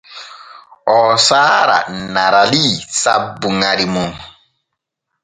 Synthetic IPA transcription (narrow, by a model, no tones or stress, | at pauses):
ɔːsaːɾa̰naɾalisa̰bːuŋaɾimuŋ